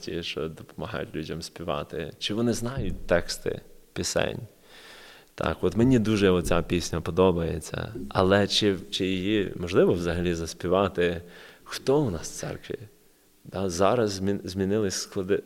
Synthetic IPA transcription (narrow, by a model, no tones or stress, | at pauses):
tʲiʃt͡ʃɔ̰d̪ɔpɔmɐɦɑ̰jʊ̰tʲlʲudʲɐmsʲpʲiʋɑ̰t̪ɪ̰t͡ʃɪʋɔnɪznɑjʊt̚ʲt̪ɛkst̪ɪ̰pʲɪsɛ̰nʲ | t̪ʰɑ̰kʋɔt̪menʲid̪uʒɛɔt͡sʲapʲisʲnʲɐpɔd̪ɔbɐjet͡sʲːɐ̰ɐ̰lˠɛt͡ʃɪt͡ʃɪjijimɔʒlˠɪʋɔʋzɐɦɐlʲizɐsʲpʲiʋɑt̪ɪxt̪ɔwnɑssɛ̰rkʋʲḭ | d̪̥ɑzɑɾɐzzmʲizʲmʲinɪlˠɪsʲsklˠɔd̪ɪ